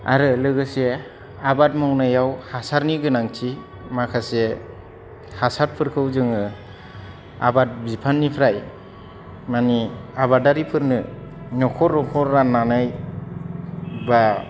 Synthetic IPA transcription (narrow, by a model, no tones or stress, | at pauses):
a̰ɾɯlɯɡɯse | abat̚mawnajawhasaɾniɡɯnaŋtʰi | makʰase | hasaɾ̚pʰɯɾkʰɯwzɯŋɯ | a̰bat̚bipʰanːipʰɾaj | maniaβadaɾipʰɯɾnɯnɔkʰɔɾːɔkʰɔɾːanːanɯj | ba